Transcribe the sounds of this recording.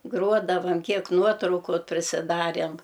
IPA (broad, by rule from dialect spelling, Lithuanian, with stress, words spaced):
ˈɡruɔdɐʋɐm ˈkʲiɛk ˈnuɔtrɐʊkʊ pʲrʲɪsʲɪˈdɑːrʲeːm